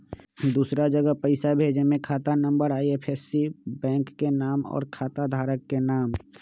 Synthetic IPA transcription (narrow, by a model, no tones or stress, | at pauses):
d̪uːsɾad͡ʒəɡəpəɪsabʱeːd͡ʒemẽkʰaːt̪anə̃mbəɾaːiepʰesibɛ̃ːŋkːenaːmɔ̰ːɾkʰaːt̪ad̪ʱaːɾəkːenaːm